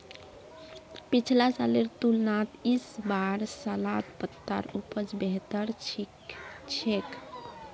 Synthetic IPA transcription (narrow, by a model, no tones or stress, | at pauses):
pit͡ʃʰlasaleɾt̪ulnat̪isbaɾsəlat̪pət̪ːa̰ɾupəd͡ʒbeɦt̪əɾ | t͡ʃʰek